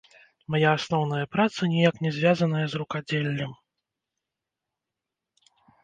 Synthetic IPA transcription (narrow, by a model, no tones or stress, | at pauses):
majaːsnɔwnɐjɐpɾat̪sɐnʲijaknʲɛzʲvʲazɐn̪ɐjɐzrukad͡zʲelʲːɐm